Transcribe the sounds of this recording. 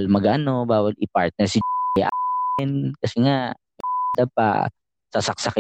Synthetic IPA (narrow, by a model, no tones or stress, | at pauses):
lmɐɡʔɐno̞baːwɐlʔɪpaɹt̪̚nɛɹsɪjaʔɪnkɐsɛŋaʔ | mɐad̪ɐb̚pɐ̰ | sasɐk̚sɐkɪ